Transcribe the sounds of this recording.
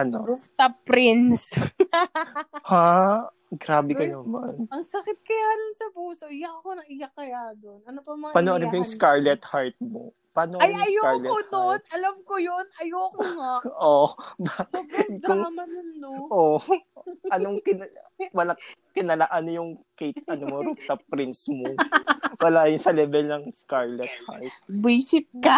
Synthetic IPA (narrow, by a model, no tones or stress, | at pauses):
ɐnoɾuft̪ɐpɾɪns | ha | ɡɾaːbɪkɐnɐmɐ̰nɐŋsɐkɪt̪̚kɐjaːd̪ʊnsɐbuːsoʔɪjaʔɐkonɐŋɪjakɐjad̪onʔɐnopɐmɐpanoʔɐɾɪpɐjʊŋskaɹlɛt̪haɹt̪̚mo̰ | paːnoɐjɐjoaɹlɛod̪onʔɐlɐmkojonɐjoːkoŋaʔobaɪʊŋmɐnnːoʔo | ʔɐnoŋkɪnɐwɐlakɪnɐlaʔɐnojʊŋkejt̪̚ʔɐnoɾopt̪ɐpɾɪnsmowɐlaːjʊnsɐlɛbɛlnɐŋskaɹlɛt̪̚ha̰ɹt̪̚biːsɪt̪̚kɐ